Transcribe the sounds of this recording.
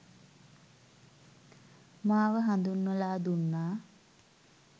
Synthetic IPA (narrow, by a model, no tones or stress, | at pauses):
maːʋəɦand̪unːəlaːd̪unːaː